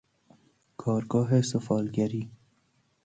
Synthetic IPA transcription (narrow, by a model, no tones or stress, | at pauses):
kʰɒːɾɡɒːɦesofɒːlɡæɾiː